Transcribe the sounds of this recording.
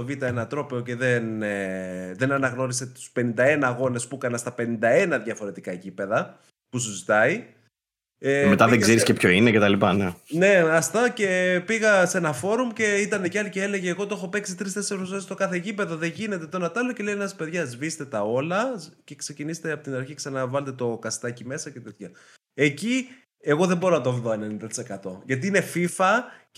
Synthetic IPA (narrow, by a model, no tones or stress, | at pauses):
ovit̪ɐenɐt̪ɾo̞peo̞ce̞ðeneðe̞nɐnɐɣno̞ɾise̞t̪u̥spe̞nind̪ɐe̞nɐɣo̞ne̞spukɐnɐst̪ɐpe̞nind̪ɐe̞nɐðʝɐfo̞ɾe̞t̪ikɐecipeðɐ | pusuzit̪ɐi | emet̪ɐðeɡzzeɾiscepço̞inecet̪ɐlipɐnene̞ɐst̪ɐce̞piɣɐse̞nɐfo̞ɾumce̞it̪ɐneceɐliceele̞ʝeːɣo̞t̪oo̞xo̞pe̞ksit̪ɾist̪e̞seɾosoist̪okɐθe̞cipe̞ðo̞ðeʝine̞t̪e̞t̪onɐt̪ɐloce̞lejnɐspe̞ðʝɐzvist̪e̞t̪ɐo̞lɐce̞kse̞cinise̥t̪eɐpot̪inɐɾçiksɐnɐvɐlet̪et̪o̞kɐst̪ɐcime̞sɐce̞t̪et̪çɐ | e̞ci | eɣo̞ðembo̞ɾonɐt̪ovðoe̞nenind̪ɐt̪i̥se̞kɐt̪o̞ʝɐt̪̬iine̞fifɐ